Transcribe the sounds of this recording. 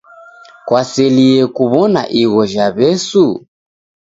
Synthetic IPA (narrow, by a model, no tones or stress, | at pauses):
kwasɛliɛkuβɔna̰ʔiɣɔʒaβɛsu